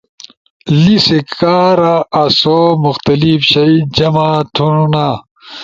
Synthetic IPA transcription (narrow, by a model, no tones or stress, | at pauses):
lisekaːɾaːsomuxt̪ɐlifɕɐid͡ʑɐmaːt̪ʰuunaː